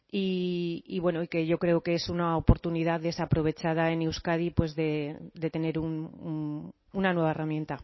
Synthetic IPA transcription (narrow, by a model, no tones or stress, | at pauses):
iiβwe̞no̞ike̞ʝo̞kɾe̞oke̞esunaopo̞ɾt̪uniðaððe̞sapɾo̞β̞e̞t͡ʃað̞ae̞ne̞wskaðipwe̞zðe̞d̪e̞t̪e̞ne̞ɾunun | unanwe̞β̞aeramje̞nt̪a